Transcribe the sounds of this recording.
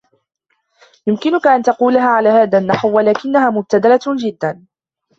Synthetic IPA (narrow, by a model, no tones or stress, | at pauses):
jʊmkɪnʊkaʔant̪ɑquːlaɦaːʕalaːhaːðanːaħwwalaːkɪnːahaːmʊb̚t̪ad̪alad͡ʒɪd̪ːan